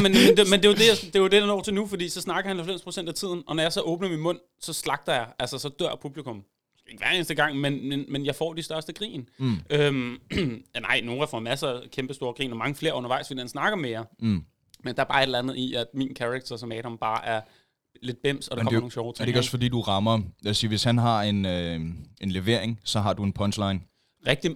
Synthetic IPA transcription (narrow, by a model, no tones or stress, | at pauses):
menmendmend̥e̝jod̥e̝jad̥e̝jod̥e̝dɑnɒ̰ʊt͡sʰe̝nufɒ̽dḭːsɒ̽snɑ̈ɡ̥ɐhænhælfem̰spʰʁo̝sen̰d̥æt͡sʰið̞̰ˠn̩ʔɒ̽nɒjɑ̈ɪsɒʔɔ̽ːb̥nəminmɔ̽n̰ | sɒ̽slɑ̈ɡ̥̚d̥ɐjɑ̈ɪʔælsɐsɒ̽d̥ɶɐ̰pʰub̥likʰɔ̽m | sɡ̥æe̝ɡ̥ʋæːɐe̝ːnsd̥əɡ̥ɑ̈ŋ̰menmenmenjɑ̈ɪfɒ̰ːd̥isd̥ɶɐsd̥əɡ̥ʁḭːnʔøm | nɑ̈ɪ̰noːʁæfɒmæsəkʰemb̥əsd̥o̝ːɐɡ̥ʁḭːnɒmɑ̈ŋəfle̝̰ɐ̰ɔ̽nɐʋɑ̈ɪ̰sʋe̝ihænsnɑ̈ɡ̥ɐmejɑ | mend̥ɑ̈æɐbɑ̈ːe̝ɾlænð̞̩ˠiʔæd̥miːnkʰæʁaɡ̥̚t͡sʰɐsɒmɛːɾɒ̽mb̥ɑ̈ːʔæɐ | le̝d̥̚b̥em̰sɒd̥ekɒɐno̝ːŋn̩ɕɒʊt͡sʰʁdeɡɔsfɒdḭːd̥uʁɑ̈mɐæsiʋe̝shænɦɑ̈e̝nøe̝nle̝ʋe̝ɐ̰eŋsɒ̽ɦɑ̈d̥ue̝npʰɒnslɑ̈ɪn | ʁɛɡ̥̚d̥i